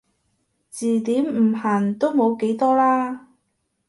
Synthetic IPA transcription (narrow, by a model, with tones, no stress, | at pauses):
t͡siː˨˩t̪iː˨˥m̩˨˩haː˨˩nt̪o˥wmo˨˧wke˨˥jt̪ɔː˥laː˥